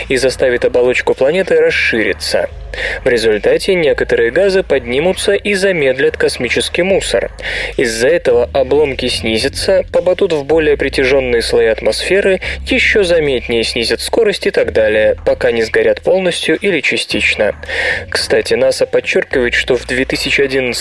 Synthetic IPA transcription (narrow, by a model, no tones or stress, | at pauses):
izɐst̪avʲɪt̪ɐbɐlˠo̞t͡ɕkʊplˠɐnʲe̞t̪ɨɾɐsʂːɨɾʲɪ̰t̪sə̰ | vɾʲɪzʊlʲt̪atʲɪnʲe̞kət̪əɾɨjəɡazɨpɐdʲnʲimʊt̪səʔizɐmʲe̞d̪lʲɪt̪kɐsmʲit͡ɕɪskʲijmusə̰rɪzːɐɛt̪əvəʔɐblˠo̞mkʲɪsʲnʲizʲɪt̪səpɐbɐd̪ut̪vbo̞lʲɪjəpɾʲɪtʲɪʐo̞nːɨjəslˠɐjiɐt̪mɐsfʲe̞ɾɨjɪɕːo̞zɐmʲet̪ʲnʲɪjəsʲnʲizʲɪt̪sko̞ɾəsʲtʲɪt̪aɡd̪alʲɪjəpɐkanʲɪzɡɐɾʲat̪po̞lˠnəsʲtʲjʊʔilʲɪt͡ɕɪsʲtʲit͡ɕnəkst̪atʲɪnasəpɐt͡ɕːorkʲɪvəjɪt̪ʂt̪o̞vd̪vʲet̪ɨsʲɪt͡ɕɪɐdʲinət̪s